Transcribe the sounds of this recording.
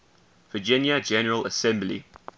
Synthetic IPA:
v̥əd͡ʒɪ̃njəd͡ʒɛnəɹələsɛ̃mblḭ

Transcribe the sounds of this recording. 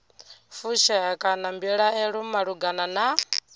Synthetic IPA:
fuʃɛɦɛkʼanambiɺaɛɺumaɺuɡanana

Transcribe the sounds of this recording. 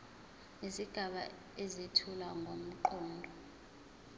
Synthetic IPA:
iziɡ̥ʱaɓa̰ | ezitʰulaŋɡʱom̩ǃɔːndʱɔ

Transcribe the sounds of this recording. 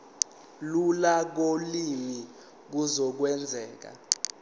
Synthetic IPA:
lulak̬olimi | k̬uzɔk̬wɛnd͡zʱɛːk̬a̰

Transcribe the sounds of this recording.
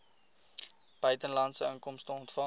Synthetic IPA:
b̥œɥtənlɐntsəəŋkɔmstəɔntfɐ

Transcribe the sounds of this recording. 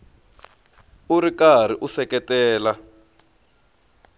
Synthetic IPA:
uɾikar̤iʔusɛkɛtɛːla

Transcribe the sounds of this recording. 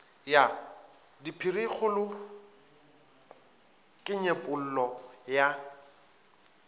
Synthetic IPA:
ja | dipʰirik͡xʊlʊ | kʼɪɲepʼʊl̩lɔja

